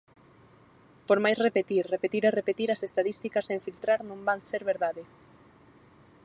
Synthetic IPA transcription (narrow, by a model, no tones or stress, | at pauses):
poɾmajsrepet̪iɾrepet̪iɾerepet̪iɾɐsest̪aðist̪ikɐsẽɱfilt̪ɾaɾnõmbaŋseɾβeɾðaðɪ